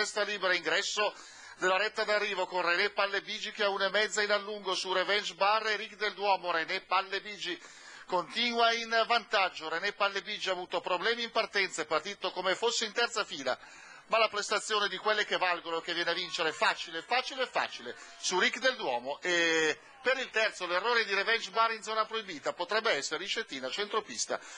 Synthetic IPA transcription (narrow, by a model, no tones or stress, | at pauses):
ɛst̪aliːbeɾaiŋɡɾɛsːo | d̪elːaɾɛt̪ːad̪arːiːvokonrenɛpalːebiːd͡ʒikeaunamɛd̪zːainalːuŋɡosurevɛnt͡ʃbarːeɾikd̪eld̪wɔːmoɾenɛpalːebiːd͡ʒi | kont̪iːnwainvant̪ad͡ʒːoɾenɛpalːebid͡ʒiaːvuːt̪opɾoblɛːmiimpart̪ɛnt̪saepːart̪iːt̪okomefosːeint̪ɛrt̪safiːla̰ | malapɾest̪at̪sːjoːned̪ikwelːekevːalɡonoek̟ːevːjɛːneavint͡ʃeɾeɛfaːt͡ʃileɛfaːt͡ʃileɛfːa̰ːt͡ʃile | surikd̪eld̪wɔːmoʔe | peɾilt̪ɛrt̪solerːoːɾed̪iɾevɛnd͡ʒbarːind̪zɔːnapɾoibiːt̪apot̪ɾɛbːeɛsːeɾeit͡ʃet̪iːnat͡ʃent̪ɾopist̪a̰